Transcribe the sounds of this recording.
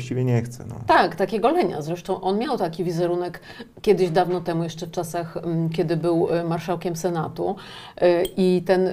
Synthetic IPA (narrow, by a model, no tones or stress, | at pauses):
t͡ɕivʲjɛɲɛxt̪sɛ̰nɔ̰t̪akt̪akʲɛɡɔlɛɲa̰zɾɛʂt̪ɔ̃w̃ʔɔnmʲjawt̪akʲivʲizɛɾunɛkːʲ | jɛd̪ɘʑd̪avnɔt̪ɛmujɛʂt͡ʂɛft͡ʂasaxkʲɛd̪ɘbɘwmaɾʂawkʲɛmsɛnat̪u | ʔit̪ɛn